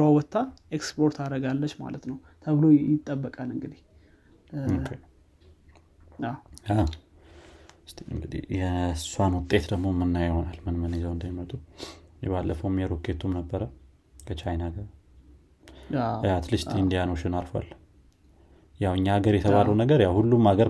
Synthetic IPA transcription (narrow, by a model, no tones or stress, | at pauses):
awɔt̪ːaekspʰo̞ɾt̪ʰaɾəɡalːət͡ʃːma̰lət̪nəw | t̪ʰəβɨlojɪt̪ʼːəbːəkʼalɨŋɡɨd̪i̥h | okʰe | aa | st̪ʰiɨ̰ŋɡɨd̪ḭhjɛsuanwʊt̪ʼːe̞t̪d̪əɡmo̞mːɨnːajɪho̞nalmɨnmənezawɨnd̪əjimət̪ʼujɛβalːʔəfəmjɛɾokʰet̪ʰumnəbːəɾə | kʰət͡ʃʰajnaɡə | jat̪lɨʃt̪ʰind̪ijanoʃɪnaɾfa̰lː | jawɨɲːaːɡəɾjɛt̪ʰəβaləwnəɡəɾjawhulːumaɡəɾ